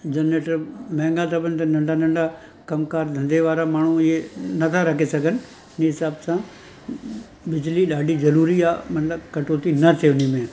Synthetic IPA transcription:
d͡ʒɐneʈɾmɛ̃ːŋɡat̪ʰɐbənɪt̪ɐnɐ̃ɳɖanɐ̃ɳɖa | kɐmkaːɾd̪ʱɐ̃nd̪eʋaːɾamaːɳ̤ũɪenɐt̪ʰaɾɐkʰesɐɡʱənɪ̆ | ɪniɦɪsaːbsã | bɪd͡ʑliɗaːɖʱizɐɾuːɾiaːmɐt̪ləbkɐʈoːt̪inɐt̪ʰeʊnimẽ

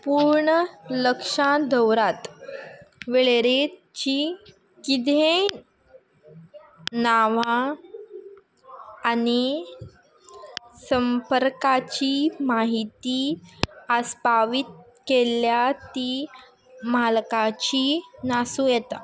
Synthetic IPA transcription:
puɾɳələkʂãd̪əwɾat̪ | ʋeɭeɾe | t͡ɕiː | kid̪ʱẽ | naʋã | ni | səmpəɾkat͡ɕiːmaɦit̪i | əspaʋit̪̚ | keljat̪i | malkãt͡ɕinasũjɛt̪a

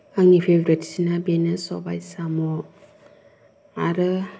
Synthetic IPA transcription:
aŋipʰebɾeti̥sinabenɯsɔ̰ba̰jsamɔ | aɾɯ

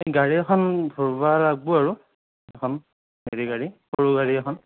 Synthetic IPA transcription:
eɡaɹiɛxʰɔndʱoɹbalaɡ̚bʊaɹu | ɛkʰɔn | heɹiɡaɹikoɹuɡaɹiɛkʰɔn

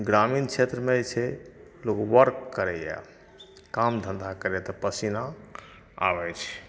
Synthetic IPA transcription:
ɡɾamint͡ʃʰet̪ɾəmet͡ʃʰɛlokoʋəɾkːəɾɛjɛ̰ | kamd̪ʱə̃nd̪ʱakəɾɛt̪ɔpəsina | a̰bɛt͡ʃʰ

